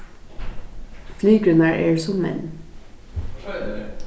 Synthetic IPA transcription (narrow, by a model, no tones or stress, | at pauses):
flyːɡɾʉnəæːɹʔeːɹsɔmmɛ̰n